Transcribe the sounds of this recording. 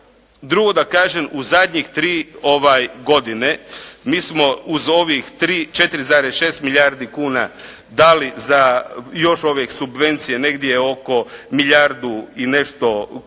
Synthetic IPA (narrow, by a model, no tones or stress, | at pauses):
d̪ɾuɡo̞d̪akaːʒemuzad̪ʲɲixt̪ɾiːo̞ʋajɡo̞d̪ine̞miːsmo̞uzo̞ʋixt̪ɾiːt͡ʃe̞t̪iɾizaːɾesʃe̞ːst̪miʎʲaɾd̪ikuːna | d̪alizajo̞ʃoʋjeksubʋe̞nt̪sije̞ne̞ɡd̪jeo̞ko̞miʎaɾd̪uine̞ʃt̪o̞